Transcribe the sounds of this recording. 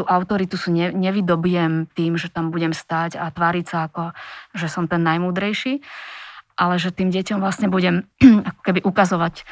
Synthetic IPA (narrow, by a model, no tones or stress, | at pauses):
t̪uːʔaʊt̪ɔɾit̪usuɲɛɲɛʋid̪ɔbijɛmt̪iːmʒɛt̪ambuɟɛmst̪aːɟat̪ʋaːɾicsaːkɔʒɛsɔmt̪ɛnːajmuːd̪ɾɛjʃiː | ʔalɛʒɛt̪iːmɟɛcɔmvlasɲɛbuɟɛmakɔ̥kɛbiʔukazɔʋac